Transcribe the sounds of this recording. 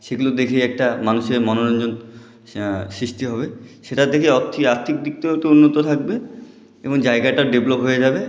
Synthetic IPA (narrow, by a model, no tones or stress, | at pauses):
ʃeɡulod̪ekʰejɛk̚ʈamanuʃeɾmɔnoɾɔnd͡ʑon | sɾiʃʈiɦɔbeʃeʈad̪ekʰeɔɾt̪ʰːiaɾt̪ʰik̚d̪ik̚t̪ooʈeunːot̪ot̪ʰak̚be | eboŋd͡ʑaeɡaʈaɾɖeblopɦoed͡ʑabe